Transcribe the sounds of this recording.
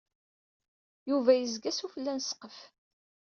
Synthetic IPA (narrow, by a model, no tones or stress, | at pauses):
juvæjəzɡæsufəlːænsqəf